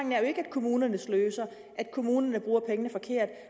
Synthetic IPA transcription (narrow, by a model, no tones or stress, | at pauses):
ŋn̩æɐjo̝e̝ɡ̥æd̥̚kʰo̝muːnɐnəsløːsɐ | ʔæd̥̚kʰo̝muːnɐnəb̥ʁuːɐpʰeŋənəfɒ̽kʰe̝̰ɐ̰d̥